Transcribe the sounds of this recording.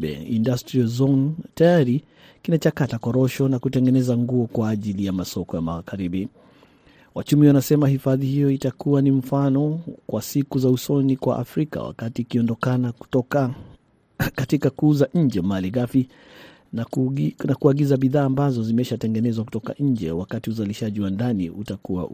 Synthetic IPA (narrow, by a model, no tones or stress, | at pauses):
ɛ̰ḭndastɾiazɔntajaɾi | kinat͡ʃakatakɔɾɔʃɔnakutɛŋɡɛnɛzaŋɡuɔkwaːʄilijamasɔkɔja̰ma̰ɣaɾiɓi | wa̰t͡ʃumiwanasɛmahifaðihijɔitakuwanim̩fanɔkwasikuzausɔnikwa̰ʔa̰fɾika̰wa̰katiːkiɔndɔkanaɔka | katikakuːzaʔɲ̩d͡ʒɛmaliɣafi | nnakuaɡizaɓiðaːmbazɔzimɛʃatɛŋɡɛnɛzwaku̥tɔka̰ɲ̩d͡ʒɛ̰wakatiuzaliʃaʄiwandaniutakuwa̰